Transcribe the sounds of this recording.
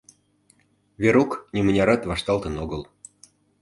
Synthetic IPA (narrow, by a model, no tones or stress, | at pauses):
vʲeɾuknʲimə̆nʲɑɾɑt̪vɑʃt̪ɑlt̪ə̆noɣəl